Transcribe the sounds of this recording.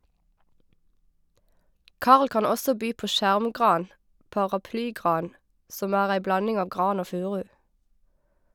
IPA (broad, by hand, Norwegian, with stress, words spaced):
ˈkɑʁl ˈkɑn ˈɔsɔ ˈbyː ˈpoː ˈʃæʁmˌɡʁɑːn pɑːʁɑˈplyːˌɡʁɑːn ˈsɔm ˈæːʁ ˈæɪ ˈblɑnɪŋ ˈɑːʋ ˈɡʁɑːn ˈoː ˈfʉːʁʉ